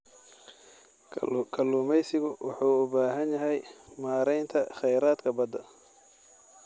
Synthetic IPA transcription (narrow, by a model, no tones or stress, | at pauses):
kʰɐlːuːmɛjsɪɣʊwʔɑħuːʊbaːɦɐnjɐɦɛjmaːɾɛjnt̪ʰɐχɛjɾaːd̪kʰɐbɐd̪ɐ